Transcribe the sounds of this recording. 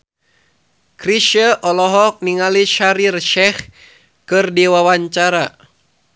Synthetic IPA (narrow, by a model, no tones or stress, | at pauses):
kɾiʃəʔɔlɔɦɔk̚niŋaliʃaɾirʃɛh | kɨrdiwawaɲt͡ʃaɾa